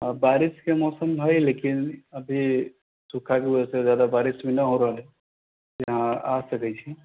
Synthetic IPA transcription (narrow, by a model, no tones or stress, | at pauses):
əbaɾiskemɔːsəmɦɔjlekinəbʱi | sukʰakebəd͡ʒəsezjad̪abaɾismenəɦoɾəɦəle | t̪ojɦãasəkɛt͡ʃʰi